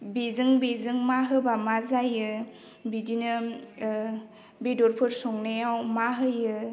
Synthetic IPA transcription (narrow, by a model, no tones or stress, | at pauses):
bezɯŋbezɯŋmaɦɯbamazajɯ | bidinɯ | bedɔɾpʰɯɾsɔŋnajawmaɦɯjɯ